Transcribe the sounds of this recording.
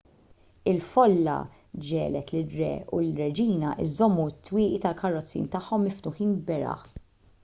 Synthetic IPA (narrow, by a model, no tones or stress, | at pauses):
ɪlfɔlːɐ̰ | d͡ʒɛːlɛt̪lɪɾɛ̰ːʊɪɾːɛd͡ʒiːnɐʔɪ̰zɔmːut̪ːwɪːʔit̪ɐlkɐrːɔt͡sːḭːnt̪ɐħːɔmːɪft̪ʊħiːnbɛɾɐ̰ħ